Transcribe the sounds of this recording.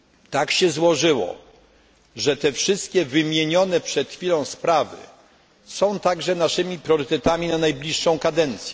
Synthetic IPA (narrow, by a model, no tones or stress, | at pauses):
t̪akɕɛzwɔʐɘwɔ̰ | ʐɛt̪ɛfʂɘst̪̚kʲɛvɘmʲjeɲɔnɛpʂɛt̪xfʲilɔ̃w̃spɾavɘ̰ | sɔ̃w̃t̪aɡʐɛnaʂɘmʲipɾʲjɔɾɘt̪ɛt̪amʲinanajblʲiʂːɔ̃w̃kad̪ɛnt̪sʲjɛ